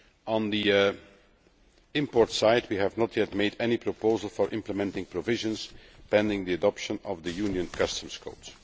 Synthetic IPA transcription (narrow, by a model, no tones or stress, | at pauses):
ə̃nd̪i | ɪ̃mpɔɹtsaɪdwiɦævnətʰjɛt̚meɪdɛnipɹɔpoʊzəlˠfɔɹʔɪ̃mpləmɛ̃ntɪ̃ŋpɹɔvɪʒə̃nspɛ̃ndɪ̃ŋd̪iədɔpʃə̃nɔvd̪əjʉnjə̃nkʰʌstə̃mskʰo̰ʊt